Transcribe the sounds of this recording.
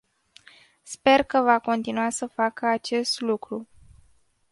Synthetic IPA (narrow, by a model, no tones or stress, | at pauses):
spe̞rkəvako̞nt̪inuasəfakəat͡ʃe̞st̪lukɾu